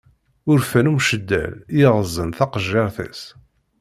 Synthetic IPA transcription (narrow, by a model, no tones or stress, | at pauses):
ʊɾfænumʃəd̪ːæ̰ljɪʁəzˤːənθɑqəʒːɑɾˤθæ̰s